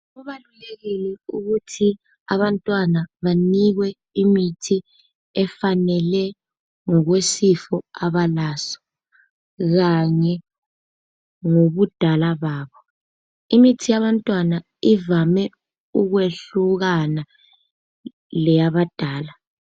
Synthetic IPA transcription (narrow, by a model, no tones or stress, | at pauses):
ɣuβaluleɣilɛuɣutʰi | aβantʼwanaβaniɣwɛ | imitʰi | ɛfanɛlɛ | ŋɔɣwesifɔaβalaːsɔ̥ | ɣaɲɛ | ŋoβud̥ʱalaβaːβɔ | imitʰijaβantʼwana | ivamɛ | uɣweɬuɣana | lɛjaβad̥ʱaːla